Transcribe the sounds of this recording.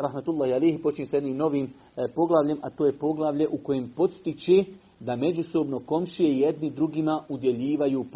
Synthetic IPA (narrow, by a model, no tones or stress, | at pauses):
ɾahmat̪ulˠːaːhialejhpo̞t͡ʃiɲesajed̪niːmno̞ʋiːm | po̞ɡlˠaʋʎe̞mʔat̪oːje̞po̞ɡlˠaʋʎe̞ʔuko̞jempo̞t̪st̪it͡ɕe | d̪ame̞d͡ʑuso̞bno̞ko̞mʃije̞ijed̪nid̪ɾuɡimaud̪je̞ʎiːʋajuːp